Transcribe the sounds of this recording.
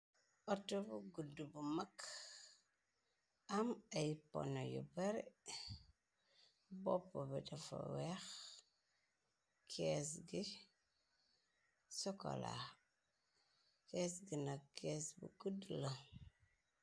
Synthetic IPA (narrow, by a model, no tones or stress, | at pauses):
ɔtobuɡudubumak | amajpo̰nojṵbeɾi | bopːobidafa̰wex | kʰesɡi | sɔko̰la̰ | kesɡinakesbṵɡudlə